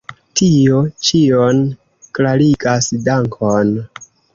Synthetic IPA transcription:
tio̞t͡ʃion | klaɾiɡasdaŋkʰon

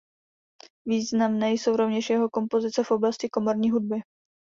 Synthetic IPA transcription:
viːznamnɛːjso̞wɾo̞vɲɛʃjɛɦo̞ko̞mpo̞zɪt͡sɛfʔo̞blascɪko̞mo̞ɾɲiːɦud̚bɪ

